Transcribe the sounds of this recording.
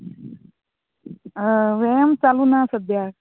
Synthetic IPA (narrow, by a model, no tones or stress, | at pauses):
ʋejəmt͡salunasəd̪ja